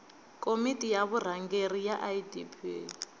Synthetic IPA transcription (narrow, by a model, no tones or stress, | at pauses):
kʼomitʼijaβur̤aŋɡerijaʔajidḭpʰḭ